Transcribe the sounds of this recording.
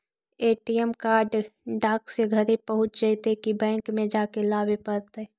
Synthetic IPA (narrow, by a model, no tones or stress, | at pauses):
eːʈijɛmkaːɾɖɖaːkseɡʱɐɾepəɦʊt͡ʃd͡ʒəɪt̪ekibɛ̃ːŋkmẽd͡ʒaːkelaːbepəɾt̪ɛ